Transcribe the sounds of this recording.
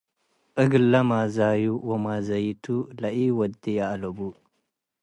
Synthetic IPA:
ʔɨɡɨlːɐmazajuwɔmazɐjt̪ʰulaʔiwɔd̪ijaʔlɐbu

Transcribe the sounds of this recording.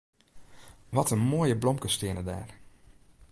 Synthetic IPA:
ʋɔtənmoːjəblɔmkəstɪənəda̰ːr

